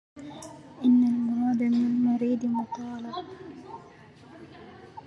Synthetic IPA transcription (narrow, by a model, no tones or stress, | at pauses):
ʔɪnːalmʊɾˤɑːd̪amɪlmʊɾiːd̪mʊt̪ɑːlɑ